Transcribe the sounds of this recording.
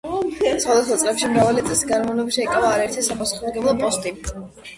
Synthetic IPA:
sχwad̪asχwat̪sʼlɛpʃimɾavalit̪sʼlisɡaɾmavnɔbiʃɛikʼavaːɾaɛɾt̪ʰisapʼasu̥χɔd̪ɡɛblˠɔpʼɔst̪ʼi

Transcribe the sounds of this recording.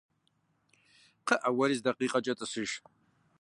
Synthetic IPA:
qʰəʔɐwɐɾiːzdɐqiːqʼɐt͡ʃʼɐtʼɨsɨʒ

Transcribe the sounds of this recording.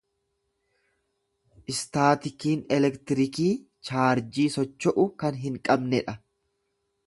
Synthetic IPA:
ʔɪst̪aːt̪ɪkiːnɛlɛkt̪ɪɾɪkiː | t͡ʃaːɾd͡ʒiːsɔt͡ʃːɔʔʊkɐnɦɪŋkʼɐbnɛᶑɐ

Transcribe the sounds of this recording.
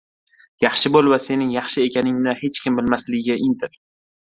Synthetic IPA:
jɑχʃɪbolˠvase̞nɪŋjɑχʃɪe̞kʲʰanɪŋnɪhe̞t͡ʃkʲʰɪmbɪlmaslɪɡʲɪɡʲaʔɪnt̪ʰɪɾ

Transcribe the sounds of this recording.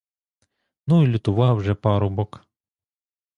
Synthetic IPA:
nuilʲʊt̪ʊʋɑwʒɛpɑɾʊbɔk

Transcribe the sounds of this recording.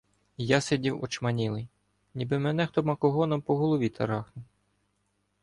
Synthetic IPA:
jɑsedʲiwɔt͡ʃmɐnʲilˠɪj | nʲibɪmɛnɛxt̪ɔmɐkɔɦɔnɔmpɔɦɔlˠɔʋʲit̪ʰɐ̰ɾɑxnʊ

